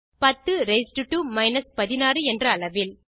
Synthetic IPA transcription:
pɐt̪ːɯɾeɪsʈɯʈːumɐɪnɐspɐðɪnaːɾɯɛndrɐːɭɐʋɪl

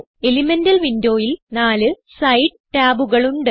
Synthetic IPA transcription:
elimendɐlʋindo̞ːjilnaːlɨsɐjɖ̚ʈaːbuɣɐɭuɳɖɨ

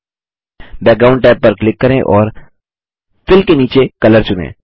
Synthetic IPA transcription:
bɛːk̚ɖaːʊ̃ɳɖʈaːɪb̚pəɾklɪkːɐɾẽʔɔːɾ | fɪlkeniːt͡ʃekɐləɾt͡ʃʊnḛ̃ː

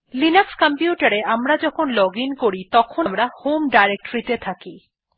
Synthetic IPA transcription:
linukskəmpjuʈaɾeamɾad͡ʑɔkʰonlɔɡinkoɾit̪ɔkʰomɾahomɖajɾek̚ʈoɾit̪et̪ʰaki

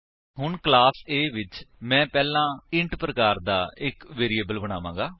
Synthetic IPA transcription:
ɦʊɳklaːseːʋɪt͡ʃmɛ̃ːpɛːlãːɪɳʈpɾəkaːɾd̪aːɪkʋeːɾieːbəlbəɽ̃aːʋãːɡaː

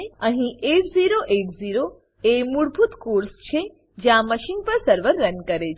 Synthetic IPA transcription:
eə̃ɦĩʔekziɾoʔekziɾo | emuɽbʱut̪koɾst͡ʃʰe | d͡ʒjãməʃinpəɾsəɾʋəɾːənkəɾet͡ʃʰ

